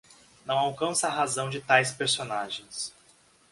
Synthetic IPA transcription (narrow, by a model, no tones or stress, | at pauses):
nɐ̃w̃awkɐ̃sɐːɦazɐ̃w̃d͡ʒɪt̪ajspeɾsonaʒẽj̃s